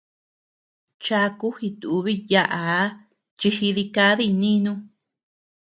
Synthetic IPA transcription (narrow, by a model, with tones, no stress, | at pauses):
t͡ʃa˧ku˦hi˧t̪u˨u˧βi˦ja˧ʔa˨˦ | t͡ʃi˧hi˧ði˧ka˧˦ði˦nĩ˦nũ˦